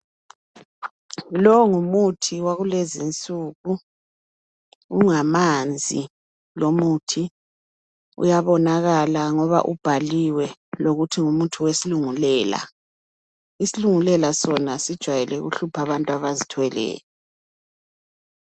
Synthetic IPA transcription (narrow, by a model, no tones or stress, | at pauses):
lɔŋumutʰiwaɣulezint͡sʼuːɣu | uŋamand͡zʱi | lomuːtʰi | ṵjaβɔnaɣalaŋɔβa̰ʔub̥ʱaliwɛloɣutʰiŋumutʰuwesiluŋulɛːla̰ | isiluŋulɛlasɔnasid̥ʒ̥ʱwajɛlɛɣṵɬupʰaβantʼwaβazitʰwɛlɛ̰ːlɛ